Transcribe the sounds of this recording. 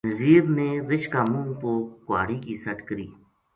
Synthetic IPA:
nəziːɾnẽːɾɪʃkaːmũːnkoːkʊa̰ːɽiːkiːsəʈkəɾiː

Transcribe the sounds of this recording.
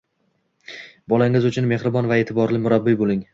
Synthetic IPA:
bɒlaŋɪzʊt͡ʃʰʊnme̞hɾɪbɒnvae̞t̪ʰɪbɒɾlɪmʊɾabːɪbolˠɪŋ

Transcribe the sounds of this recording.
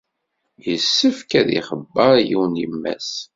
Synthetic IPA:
jəsːəfkæðḭχəbːəɾˤjiwnjimːæ̰s

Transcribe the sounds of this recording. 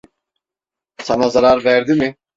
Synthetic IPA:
sanazaɾaɾvæɾd̪imɪ

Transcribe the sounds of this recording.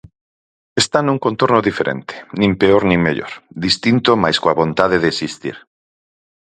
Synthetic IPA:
est̪anũŋkõnt̪oɾnoðifeɾʔḛnt̪e̥nĩmpeoɾnĩŋmeʎo̰ɾðist̪int̪omajskoaβõnt̪að̞eðeːsist̪ḭɾ

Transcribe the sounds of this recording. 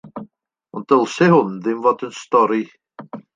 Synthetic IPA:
ɔndəlˠsɛhʊnðɪmvoːdənstɔɾi

